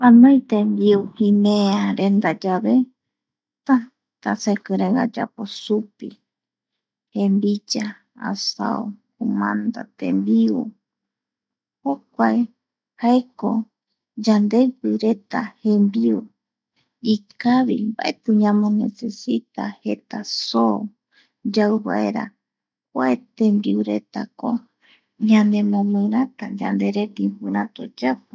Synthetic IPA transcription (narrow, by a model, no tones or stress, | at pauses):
panõjt̪ẽmbiuhĩmẽaɾe̞nd̪ad͡ʒaβe | t̪ã | t̪a̰sekɨɾeɡa̰d͡ʒa̰posupi | hẽmbid͡ʒa | a̰sa̰o | umã̰nd̪a̰t̪ḛmbiu | hokʷae | haeko | d͡ʒand̪epɨɾe̞t̪ahẽmbiu | ikaβimba̰ʔet̪ɨɲãmõnḛsesit̪ahe̞t̪aso | d͡ʒawβa̰ʔeɾa̰ | kwaet̪embiuɾe̞t̪a̰ko | ɲãnd̪emõmɨ̃ɾat̪ad͡ʒa̰nd̪e̞ɾet̪impɨɾat̪o̰d͡ʒapɨ